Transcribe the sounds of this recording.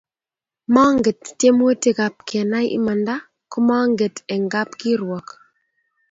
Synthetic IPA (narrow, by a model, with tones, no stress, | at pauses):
ma˦ŋɡe˨tːje˦m˦o˦ti˦ɡa˨p̚kɛ˨na˦jʔɪ̰˦ma˨nda˦ | kʊ˦ma˦ŋɡe˨tɛ˨ŋɡa˦pki˦ɾwɔ˨k